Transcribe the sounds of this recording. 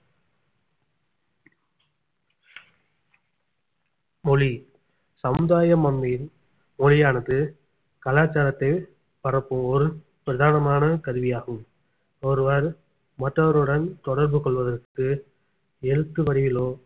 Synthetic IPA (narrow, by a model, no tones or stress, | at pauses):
mɔɭi | sɐmɯðaːjɐmɐmːiɪl | mɔɻɪjaːnɐðɯ | kɐlaːt͡ʃaːɾɐt̪ːɐɪ | pɐɾɐpːɯmɔɾɯ | pɾɐðaːnɐmaːnɐkɐðɯʋɪjaːɣɯm | ɔɾɯʋɐɾ | mɐʈrɐʋɐɾɯɽɐnt̪ɔɽɐɾbɯkɔɭʋɐðɐɾkɯ | ɛɻɯt̪ːɯʋɐɽɪʋɪloː